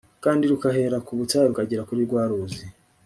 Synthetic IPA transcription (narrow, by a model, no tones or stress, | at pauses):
kaːndiɾukaɦe̞ɾakuβutajeɾukaɟiɾakuɾiːɾɡwaːɾuzi